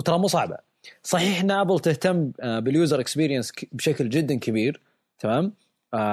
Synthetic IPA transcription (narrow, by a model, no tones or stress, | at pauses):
wt̪ɑɾˤɑmːusˤɑʕba̰ | sˤɑħiːħɪnaʔabɪlt̪ɪht̪amːbɪljuːzɑɾˤɪkspiːɾjansbʃakld͡ʒɪd̪ːankabiːɾ | t̪ʰamaːm